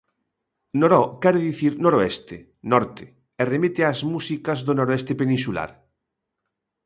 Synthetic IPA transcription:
noɾɔkɛɾeðiθiɾnoɾoest̪e | nɔɾt̪e | eremit̪eazmusikazðonoɾoest̪epenĩnsula̰ɾ

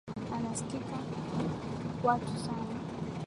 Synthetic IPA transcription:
anasi̥kika | watusana

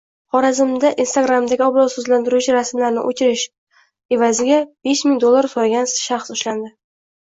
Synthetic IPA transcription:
χɒɾazɪmd̪aʔinst̪aɡɾamd̪aɡʲɪɒbɾɒzsɵzlant̪ʰɪɾʊt͡ʃʰɪɾasmlaɾnɪ̰ʔot͡ʃʰɪɾɪʃ | e̞vazɪɡʲab̥e̞ʃmɪŋd̪olˠːaɾsɒɾɡʲanʃaχsʊʃland̪ɪ

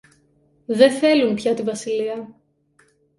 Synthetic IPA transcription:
ðe̞θe̞lunpçɐt̪ivɐsiliɐ

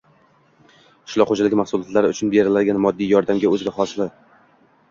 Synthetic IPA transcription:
ɪ̥ʃlˠɒχod͡ʒalɪɡʲɪmaχsʊlˠɒt̪laɾɪʊt͡ʃʰʊnbeɾɪlad̪ɪɡʲanmɒd̪ːijjɒɾd̪amɡʲaɵzɪɡ̪ʲaχɒslˠɪ

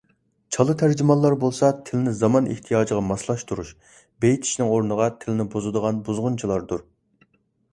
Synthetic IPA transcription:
t͡ʃʰɑlˠɨt̪ʰæɾd͡ʒimɑlˠːɑɾbolˠsɑt̪ʰɪlɪnɪzɑmɑnʔḛht̪ʰijɑːd͡ʒiʁɑmɑslˠɑʃt̪uɾuʃ | bejit̪ʰi̥ʃnɪŋoɾnəʁɑt̪ʰɪlɪnɪbuzɨd̪əʁɑnbuzʁʊnt͡ʃʰilˠɑɾd̪uɾ

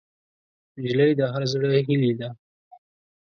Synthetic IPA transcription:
d͡ʒləjd̪əɦaɾazɽəɦilid̪a

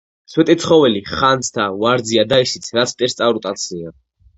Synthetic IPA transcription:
t̪sʰwɛt̪ʼɛt̪sʰχɔvɛliχant̪sʰt̪ʰavaɾd̪ziad̪aisit̪sʰɾat̪sʰt̪ʼɛɾst̪sʼavɾut̪ʼat̪sʰia

